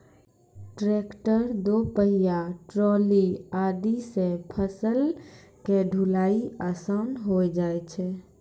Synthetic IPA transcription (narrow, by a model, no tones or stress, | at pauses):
ʈɾeːkʈəɾd̪opəɦijaʈɾɔːliaːd̪isepʰəsəl | keɖʱulaːiəsanɦod͡ʒaːet͡ʃʰɛ